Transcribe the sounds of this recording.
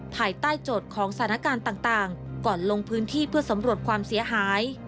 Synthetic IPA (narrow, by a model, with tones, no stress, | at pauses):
pʰaː˧jt̪aː˥˩jt͡ɕoː˨˩t̪̚kʰɔː˩˦ŋsḁ˩t̪ʰːna˥kaː˧nt̪aː˨˩ŋt̪aː˨˩ŋkɔː˨˩nlo˧ŋpʰɯː˦˥nt̪ʰiː˥˩pʰɯ˥˩ɐsa˩˦mɾu˨˩ət̪̚kʰwaː˧msi˩˦ɐɦaː˩˦j